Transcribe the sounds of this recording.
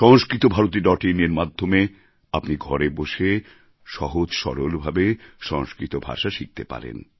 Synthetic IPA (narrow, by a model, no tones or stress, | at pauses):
ʃɔŋskɾit̪obʱaɾot̪̬iɖɔʈineɾmad̪ʱːome | apniɡʱɔɾeboʃe | ʃɔɦod͡ʑʃɔ̰ɾolbʱabeʃɔŋskɾit̪obʱa̰ʃaʃik̚t̪epa̰ɾḛn